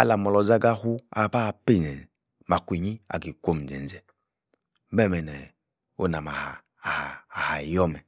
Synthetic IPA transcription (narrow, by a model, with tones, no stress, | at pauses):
a̰˦la˨mɔ˨lɔ˨za˦ɡa˦hu˦a̰˨ba˦˨pi˦˨nɛ˨ | ma˨kʷi˨ɲi˦a̰˨ɡi˨kʷo˦m˨d͡ʒɛ̰˨n˨d͡zɛ˨ | mɛ˦˨mɛ˨nɛ˨ | o˦na˨ma˨haː˨ | haː˨ha˨jɔ˦mɛ˨